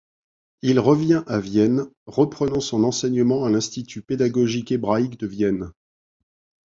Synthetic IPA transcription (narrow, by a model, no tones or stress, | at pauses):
ilʁəvjɛ̃ʔavjɛnʁəpχənɑ̃sɔ̃nɑ̃sɛɲəmɑ̃alɛ̃st̪it̪ʰyped̪aɡɔʒikebʁaikd̪əvjɛn